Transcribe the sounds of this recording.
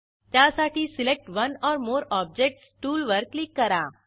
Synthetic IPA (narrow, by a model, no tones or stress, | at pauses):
t̪jasaʈʰiːsilek̚ʈʋənɔɾmoɾɔb̚d͡ʑek̚ʈsʈuːlʋəɾklikːəɾa